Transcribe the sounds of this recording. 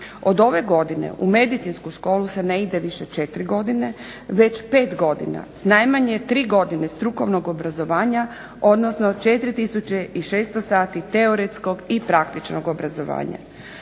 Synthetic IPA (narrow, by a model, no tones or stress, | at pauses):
o̞d̪o̞ʋe̞ɡo̞d̪ine̞̰ʔume̞d̪it̪sinskuʃko̞ːluse̞ne̞id̪eʋiʃet͡ʃe̞t̪ɾiɡo̞d̪ine̞ | ʋe̞t͡ɕpe̞ːt̪ɡo̞d̪ḭna̰snajmaɲe̞t̪ɾiːɡo̞d̪ine̞st̪ɾuko̞ʋno̞ɡobɾazo̞ʋaːɲa | od̪nosno̞t͡ʃe̞t̪ɾit̪isut͡ɕeiʃeːst̪osaːt̪it̪eoɾet̪sko̞ɡipɾakt̪it͡ʃnoɡobɾazoʋa̰ːɲa̰